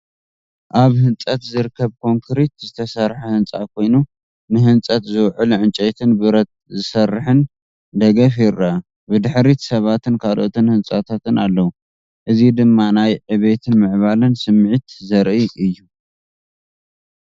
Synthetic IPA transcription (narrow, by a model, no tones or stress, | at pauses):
ʔaβhɨnt͡sʼɐt̪zɨɾɨkʰːɐβkʰo̞ŋkʰɨɾit̪zɨt̪ʰɐsɐɾħahɨnt͡sʼa̰kʰo̞jnu | nɨɦɨnt͡sʼɐt̪zɨwʕɨlʕɨnt͡ʃʼɐt̪ʰɨnbɨɾɐt̪̚zɨsɐrːħɨn | d̪ɐɡɐfjɪɾa | bɨd̪ɨħɾit̪sɐβat̪ɨnkʰalʔo̞t̪ʰɨnhɨnt͡sʼat̪ʰat̪ɨnalːɐwu | ʔɨzid̪ɨmːanajʕɨβet̪ʰɨnmɨʕβalɨnsɨmːʕit̪zɐɾʔiʔɨjːu